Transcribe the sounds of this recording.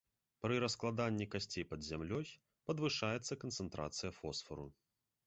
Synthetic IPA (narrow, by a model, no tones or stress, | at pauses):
pɾɨɾɐsklˠad̪anʲːikasʲt͡sʲejpɐd̪zʲamlʲɔj | pɐd̪vɨʂajɛt̪sːɐkɐnt̪sɛnt̪ɾʔa̰t̪sɨjɐfɔsfɐɾṵ